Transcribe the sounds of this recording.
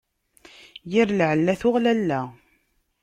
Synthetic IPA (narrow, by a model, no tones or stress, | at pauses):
jiɾlʕəlːæθʊʁlælːæ